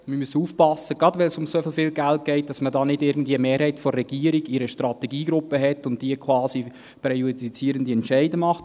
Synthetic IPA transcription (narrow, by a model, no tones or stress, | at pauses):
məmysəuːfpɑsːəɡ̥ɾɑdʋɛlsʊmsofɪlfɪːlɡælt̚ɡ̥ɛɪt̚d̥ɑsmədɑːnɪdɪɾɡn̩dviəmeːɾhɛɪtfɔːɛɡ̥iəɾiɡɪɾəʃtɾɑt̪ɛɡiːɡɾʊpːəɦɛtːʊnt̚d̥iəkʰwɑːsi | pɾɛjoidit͡siːɾəndiɛntt͡ʃɛɪdəmɑχt